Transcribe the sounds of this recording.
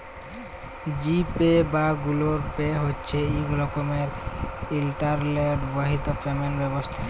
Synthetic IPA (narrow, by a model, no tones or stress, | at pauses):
d͡ʑipebaɡuloɾpeɦotːt͡ɕʰeiɡɔlokomeɾilʈaɾleʈbɔɦit̪opɾemenbɛbost̪ʰa